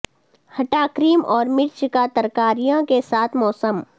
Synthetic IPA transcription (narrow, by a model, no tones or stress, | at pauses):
hɐʈaːkɾiːmʔɔːɾmɪɾt͡ʃkat̪ɐɾkaːɾijãkesaːt̪ʰmɔːsəm